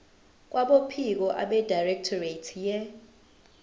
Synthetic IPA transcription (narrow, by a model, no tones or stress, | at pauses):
k̬ʼwʔaɓopʰik̬ɔʔa̰ɓɛdajrɛk̚tʰɔretʰjɛ